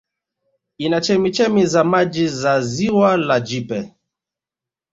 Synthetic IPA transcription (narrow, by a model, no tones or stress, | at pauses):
inat͡ʃɛmit͡ʃɛmizamad͡ʒizaziwalad͡ʒipɛ